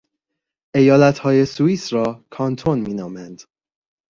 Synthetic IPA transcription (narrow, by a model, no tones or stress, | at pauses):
ʔe̞jɒːlæt̪ʰhɒːje̞suiːsɾɒːkʰɒːnt̪ʰonmiːnɒːmænd̪̥